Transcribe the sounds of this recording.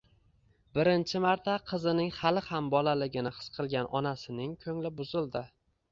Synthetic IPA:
bɪɾɪnt͡ʃʰɪmaɾt̪ʰaqʰɨzɪnɪŋχalɪhambɒlalɪɡʲɪnɪχɨ̥sqʰɨlˠɡʲanʔɒnasɪnɪŋkʲʰɵŋlɪbʊzɪlˠd̪ɪ

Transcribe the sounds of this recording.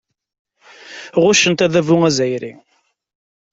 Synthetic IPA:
ʁʊʃənt̪æðævʊŋæzæjɾḭ

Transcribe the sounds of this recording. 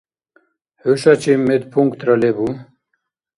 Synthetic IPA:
huɕat͡ɕimed̪pʰuŋkt̪ɾɐlebu

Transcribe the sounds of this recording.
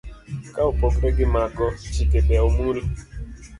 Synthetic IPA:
kaopokɾɛɡɪmaɡɔt͡ʃɪkebɛomul

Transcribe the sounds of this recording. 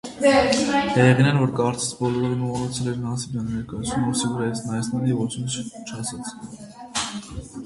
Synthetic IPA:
d̪ɑjɛʁinɛnvɔɾkɑɾt͡sɛ̥t͡sʰbɔlɔɾɛɾənuɑnɔt͡sʰɛlɛɾnɑnsibɑnnɛɾkɑjɑt͡sʰnumɔɾsivəɾɑjit͡sʰnɑjɛsnɛlivɔt͡sʰinəst͡ʃʰɑsɑt͡sʰ

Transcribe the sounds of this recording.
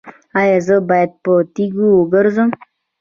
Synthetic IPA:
ajazəbajad̪̚pət̪iɡuoɡəɾzəm

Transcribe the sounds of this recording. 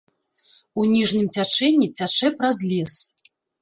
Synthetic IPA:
unʲiʐnʲɨmt͡sʲat͡ʂɛnʲːit͡sʲat͡ʂɛpɾazʲlʲɛs

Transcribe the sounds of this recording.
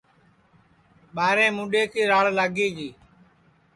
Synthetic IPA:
ɓaːɾẽːmũːɗeːkiːɾaːɭlaːɡiːd͡ʒiː

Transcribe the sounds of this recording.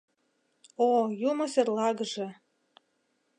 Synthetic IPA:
ojumŏserlˠɑɡ̆ʒĕ

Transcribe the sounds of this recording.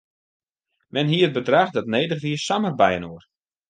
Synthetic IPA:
mɛnɦiət̚bədraxdɔtneːdəχʋiəsamərbɛjənoər

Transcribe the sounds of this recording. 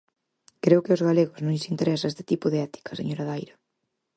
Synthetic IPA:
kɾeʊkɪʊzɣaleɣʊznõʎɪsint̪eɾɛsaest̪ɪ̥t̪ipʊðeɛt̪i̥kʰɐ̥seɲoɾɐðajɾɐ

